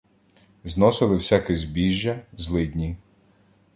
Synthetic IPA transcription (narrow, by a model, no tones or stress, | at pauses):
znɔsɪlˠɪwsʲakɪzʲbʲiʒʲːɐzlˠɪd̪ʲnʲi